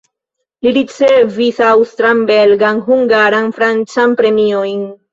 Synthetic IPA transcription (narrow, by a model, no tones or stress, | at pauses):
liɾit͡se̞visawstɾambe̞lɡanɦuŋɡaɾanfɾant͡sanpɾe̞miojn